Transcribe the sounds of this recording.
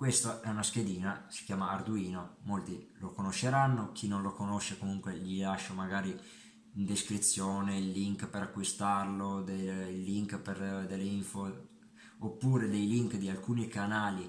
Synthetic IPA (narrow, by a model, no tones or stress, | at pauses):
kwest̪oʔɛunasked̪iːnasi̥kjaːmaːrd̪uiːnomolt̪ilokonoʃːeɾanːok̟ʰinːonlokonoʃːekomuŋkweʎilaʃːomaɡaːɾi | ind̪eskɾit̪sːjoːneilːiŋkpeɾakːwist̪arlod̪elːiŋkperd̪elːiɱfo | opːuːɾed̪ejliŋkd̪ialkuːnikanaːli